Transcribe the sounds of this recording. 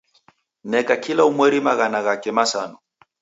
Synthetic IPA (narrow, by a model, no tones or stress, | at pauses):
nɛkakilaumwɛɾimaɣanaɣakɛmasa̰nɔ